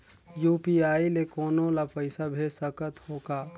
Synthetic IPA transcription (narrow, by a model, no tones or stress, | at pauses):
juːpiaːilekoːnolapəɪsabʱesəkət̪hoːka